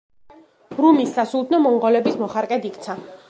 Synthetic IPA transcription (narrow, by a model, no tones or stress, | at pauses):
ɾumisːasulˠd̪nɔmɔŋʁɔlɛbismɔχaɾkʼɛd̪ikʰʼt̪sʰa